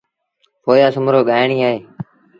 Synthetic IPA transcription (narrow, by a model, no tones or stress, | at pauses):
poːjaːsʊmɾoːɠaːjɳiːaːɦeː